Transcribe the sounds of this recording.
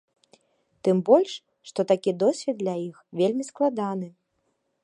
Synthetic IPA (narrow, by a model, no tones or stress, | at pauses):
t̪ɨmbɔlʲʂ | ʂt̪ɔt̪akʲid̪ɔsʲvʲid̪̚d̪lʲajixvʲelʲmʲisklˠad̪an̪ɨ